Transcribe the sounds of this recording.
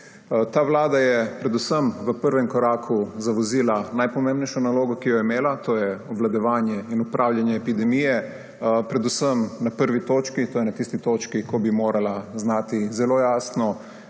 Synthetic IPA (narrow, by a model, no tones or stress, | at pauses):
t̪aʋlaːd̪ajɛpɾɛd̪usəmʋəpəɾʋɛmkɔɾaːkʰuzaʋɔziːlanajpɔmẽmbnɛjʃɔnaloːɡɔkijɔimeːlat̪oːjɛɔʋlad̪ɔʋaːnjɛinupɾʔaːwljanjɛːpid̪ɛmijɛ | pɾɛd̪usəmnapəɾʋit̪oːt͡ʃkit̪oːjɛnat̪ist̪it̪ot͡ʃkikɔbimoːɾalaznaːt̪izɛloːjaːsnɔ